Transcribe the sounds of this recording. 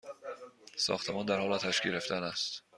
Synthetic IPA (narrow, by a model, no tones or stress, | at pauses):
sɒ̰ːxt̪ʰe̞mɒːnd̪æɾhɒːlɒt̪ʰæʃɡeɾeft̪ænæst̪